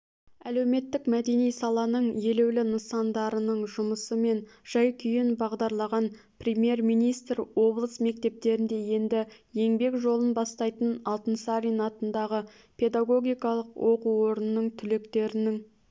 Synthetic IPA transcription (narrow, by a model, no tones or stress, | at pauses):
æle̞wme̞t̪ːɪkmæd̪e̞nijsɑlˠɑnəɴje̞le̞wlɪnəsɑnd̪ɑɾənəɴʒʊməsəme̞nʒ̥ɑjkʲʰʏjɪnbɑʁd̪ɑɾlˠɑʁɑn | prʲemje̞rmijnijst̪rwo̞blˠəsme̞k̚t̪e̞p̚t̪e̞ɾɪnd̪e̞je̞nd̪ɪje̞ŋbe̞kʒo̞lˠənbɑst̪ɑjt̪ənɑlˠt̪ənsaɾinɑt̪ənd̪ɑʁə | pʰe̞d̪aɡo̞ɡʲijkɑlˠəqwʔo̞quwo̞ɾənənːəɴt̪ʰʏle̞kt̪e̞ɾɪnɪŋ